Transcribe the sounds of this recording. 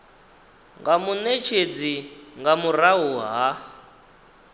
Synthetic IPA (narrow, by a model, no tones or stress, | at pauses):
ŋɡamunet͡ʃʰed͡ziŋɡamuɾaɦuɦa